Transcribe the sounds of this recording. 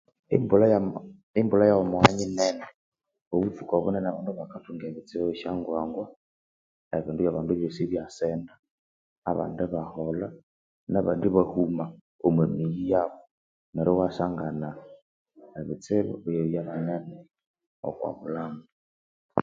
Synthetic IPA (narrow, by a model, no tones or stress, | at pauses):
imbul | imbulajaomoaɲinɛnɛ | oβufukaβṵnɛnaβanduβakatuŋɡeβit͡seβɛʃaŋɡwaŋɡwa | eβindujaβaːnduβjosiβjasɛna̰ː | βa̰ndɛβahɔla | naβandiβahuma | omwemijijaβɔ | mɛɾɛwasaŋɡana | eβit͡seβɔ̰βjaβanɛnɛ | ɔ̰kwa̰βulaːŋɡu